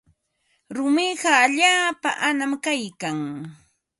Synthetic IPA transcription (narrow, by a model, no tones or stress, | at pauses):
ɾʊmɪɢɑːʎaːpa̰ʔanamkajkaŋ